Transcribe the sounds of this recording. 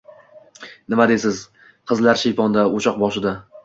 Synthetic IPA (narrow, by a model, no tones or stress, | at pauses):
nɪmad̪esɪz | qʰɨzlaɾʃejpɒnd̪aot͡ʃʰɒq̚bɒʃɪd̪a